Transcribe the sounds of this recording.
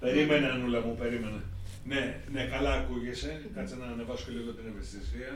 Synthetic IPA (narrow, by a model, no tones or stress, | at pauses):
pe̞ɾimeneɐnulepupe̞ɾimene | ne̞ | ne̞kɐlɐːkuʝesekɐt͡sinɐːnevɐso̥kʲeliɣot̪inevest̪isiɐ